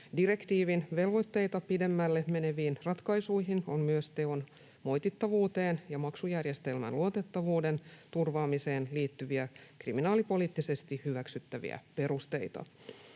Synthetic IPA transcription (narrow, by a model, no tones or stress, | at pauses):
diɾe̞kt̪iːʋinʋe̞lʋo̞t̪ːe̞jt̪ɑpide̞mːælːeme̞ne̞ʋiːnrɑt̪kɑjsujɦinommyøst̪e̞o̞n | mo̞jt̪it̪ːɑʋuːt̪e̞ːnjɑmɑksujærje̞st̪e̞lmæ̰nluot̪e̞t̪ːɑʋuːde̞nt̪urʋɑːmiseːnliːt̪ːyʋiækriminɑːlipo̞liːt̪ːise̞st̪ihyʋæksyt̪ːæʋḭæ̰pe̞ɾust̪e̞̰jt̪ɑ̰